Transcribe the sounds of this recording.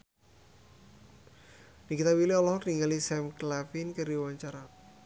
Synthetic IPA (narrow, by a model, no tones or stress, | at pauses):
nikit̪awiliɔlɔɦniŋalisɛmklafinkəɾiwaɲt͡ʃaɾa